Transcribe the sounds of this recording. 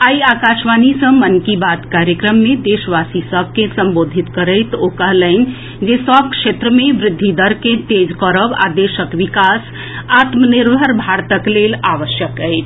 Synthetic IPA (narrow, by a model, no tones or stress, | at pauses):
ajakasmanisə̃mənkibat̪kaɾjəkɾəmːed̪esʋasisəb̚ʱkesəmbod̪ʱit̪kəɾəjt̪okəɦləɪn̆ | d͡ʒesəb̚kʃet̪ɾəmeʋɾɪd̪ʱːid̪əɾket̪ed͡ʒkəɾəba̰d̪esəkʋikas | at̪məniɾbʱəɾbʱaɾt̪əklelaʋəsjəkəɪt͡ʃʰ